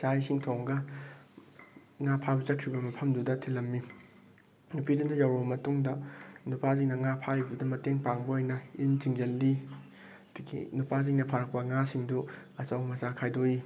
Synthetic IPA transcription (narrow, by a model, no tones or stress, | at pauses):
sajsiŋtʰoŋɡɐ | ŋapʰabɐzɐkʰɾibɐmɐpʰɐmdudɐtʰilɐmːi | nupidundɐjawɾomɐtuŋdɐnupaziŋnɐŋapʰaɾibudɐmɐteŋpaŋbɐojnɐint͡ʃiŋd͡ʒɐlːi | dɡḭnupaziŋnɐpʰaɾɐk̚pɐŋasiŋduɐt͡ʃawmɐzakʰajdoji